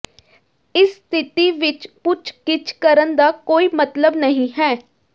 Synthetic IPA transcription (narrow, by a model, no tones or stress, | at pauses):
ɪsːt̪ʰɪt̪iːʋɪt͡ʃpʊt͡ʃʰkɪt͡ʃʰkəɾənd̪aːkoːiːmət̪ləbnəɦĩːɦɛː